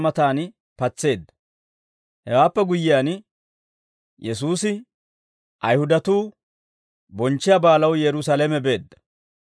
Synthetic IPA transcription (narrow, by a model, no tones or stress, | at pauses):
mɐt̪aːn | pɐt͡sːe̞ːd̪ːɐ̥ | hɛwaːpːɛɡʊjːɪjaːn | jɛsuːsɪ | ʔɐjhʊd̪ɐt̪uː | bɔnt͡ʃːɪjabaːlɐwjɛɾʊsalɛmɛbe̞ːd̪ːɐ̥